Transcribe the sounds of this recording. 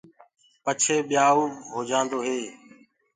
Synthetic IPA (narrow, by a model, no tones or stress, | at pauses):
pət͡ʃʰeːɓɪjaːuːɦoːd͡ʒãːnd̪oːɦeː